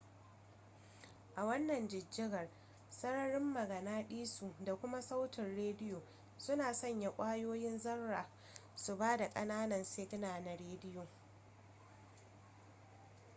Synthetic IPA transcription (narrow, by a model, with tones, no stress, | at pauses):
ʔa˨wɐ˦nːɐ˨nd͡ʒɪ˨d͡ʒːɪ˦ɡɐ˨r | sɐ˦ɽɐ˦ɽɪ˦mːɐ˨ɡɐ˨naː˦ɗiː˦su˨da˨kʷʊ˦ma˦sa˦wtɪ˨nɽeː˦dɪ˦joː˨ | sʊ˦naː˨sɐ˦˨ɲja˨kʷʼaː˦joː˦jɪ˦nzɐ˦rːaː˨ | su˨baː˦da˨kʼɐ˦naː˦nɐ˨nseː˦ɡnaː˨na˨ɽeː˦dɪ˦joː˨